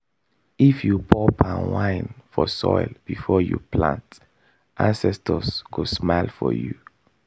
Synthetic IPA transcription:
ifjupʰɔpʰãnwãɪnfɔsɔ̰ɪlb̥ifɔjṵpʰlã̰nt | ʔãnsɛstʰəskusmaɪlfɔ̰ju

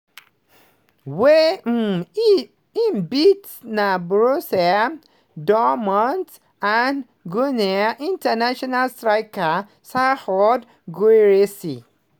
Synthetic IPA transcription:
wem̩ | ĩmbit | nabɹosɛ | dɔmɔ̃nt | an | ɡunɛaʔĩntanaʃɔnalstɹaɪka | sahɔd | ɡoeɹesi

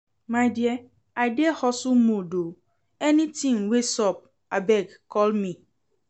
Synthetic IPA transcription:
majdiɛ | ajdehɔsumodo | ɛnĩtĩŋwesɔp̚ | abɛɡkɔlmĩ

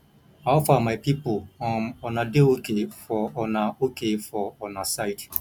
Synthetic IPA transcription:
aɔfamaɪpipoɔɔnadeokefɔɔnaokʰefɔɔnasaɪd

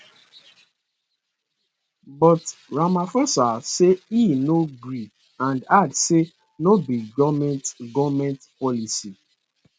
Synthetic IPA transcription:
bɔtɹamafɔsaseinoɡɹi | ãndadse | nobiɡɔvmɛ̃ntɡɔmɛ̃ntpɔlisi

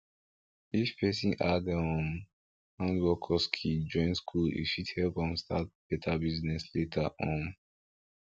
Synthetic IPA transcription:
ifpʰɛsĩnadaɔ̃n | hãndwɔkʰɔskʰid͡ʒɔ̃ɪ̃nskʰulḭʃudhɛlpɔ̃nstʰat̚b̥ɛtʰabiznɛsletʰaʔɔ̃n

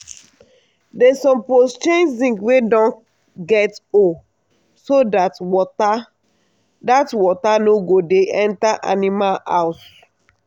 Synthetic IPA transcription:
dɛsɔ̃mpost͡ʃẽnd͡ʒĩŋɡwedɔ̃n | ɡɛto | sodatɔta | datwɔtanoɡodeʔɛ̃ntaʔa̰nimala̰ʊs

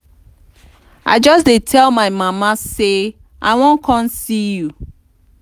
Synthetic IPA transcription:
a̰ɪd͡ʒɔsdetʰɛlˠmaɪmamase | ʔa̰ɪwɔ̃nkʰɔ̃nsiju

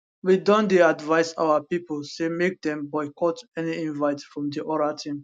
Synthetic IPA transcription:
widɔ̃ndeadvaɪsa̰wapipəlsemek̚dɛ̃mbajkɔtɛniĩnvaɪtfɹɔ̃mdiʔɔɾatʰĩm

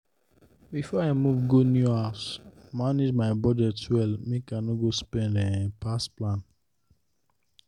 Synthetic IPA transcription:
bifɔaɪmuvɡonjuasmaned͡ʒmaɪbɔdɛtwɛlmĩkãnɔɡospɛ̃ndɛ̃pasplãn

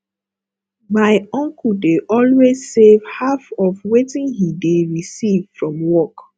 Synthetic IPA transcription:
maɪɔ̃ŋkudeʔɔlwez̥sev̥hafɔvwetĩnhideɹisiv̥fɹɔ̃mwɔk

